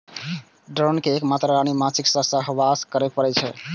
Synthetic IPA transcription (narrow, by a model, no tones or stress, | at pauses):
ɖɾonkeːkmat̪ɾaɾañimãt͡ʃʰiksəsəɦʋaskəɾɛk̚pəɾɛt͡ʃʰɛ